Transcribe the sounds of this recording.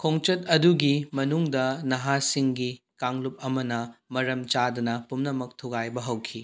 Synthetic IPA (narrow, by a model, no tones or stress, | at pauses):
kʰoŋt͡ʃɐtɐduɡimɐnuŋdɐnɐɦasiŋɡi | kaŋlup̚ɐmɐnɐmɐɾɐmt͡ʃadɐnɐpumnɐmɐk̚tʰuɡajbɐɦɐwkʰi